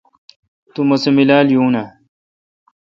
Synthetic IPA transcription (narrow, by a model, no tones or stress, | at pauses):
t̪umɐsemilaːljuːna